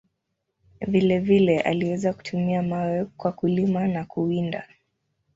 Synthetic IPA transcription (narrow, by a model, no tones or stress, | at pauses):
vilɛvilɛʔa̰liwɛzaku̥tʰumiamawɛkwakulimanakuinda̰